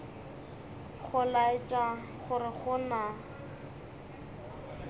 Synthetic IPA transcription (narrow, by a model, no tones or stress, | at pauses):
χʊlaɪt͡ʃʼa | χʊɾɪχʊna